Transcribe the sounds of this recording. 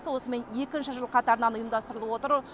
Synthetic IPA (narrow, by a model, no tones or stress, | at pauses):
səwo̞səme̞nje̞kʲɪnʃɪʒəlˠqʰɑt̪ɑɾənɑnʊjəmd̪ɑst̪əɾəlˠəwo̞t̪əɾ